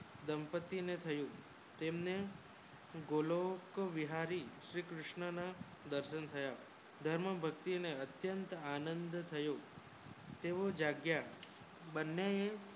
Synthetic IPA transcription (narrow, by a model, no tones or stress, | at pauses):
d̪əmpət̪ːinet̪ʰəjũ | t̪emne | ɡolokʋiɦaɾiʃɾikɾʊʃɳəna | d̪əɾʃənt̪ʰəja | d̪ʱəɾməbʱək̚t̪ineət̪jənt̪anənd̪t̪ʰəjo | t̪eʋod͡ʒaɡja | bənːee